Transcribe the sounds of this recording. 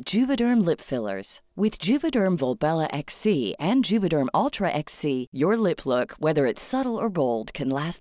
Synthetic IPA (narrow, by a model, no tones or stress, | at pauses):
d̥ʒ̥ʉvɨɾɜ̃˞mlɪpfɪlˠə̰˞z̥wɪð̥d͡ʒʉvɨdɜ̃˞ɱvɔlˠbɛlˠəʔɛksiɨ̃nd͡ʒʉvɨɾə̃˞mɔlˠtʰɹ̥ɨʔɛksijə˞lɪpʰlʊkwɛðə˞ɨtsʌɾl̩ˠə˞boʊlˠd̚kʰɨ̃nlæs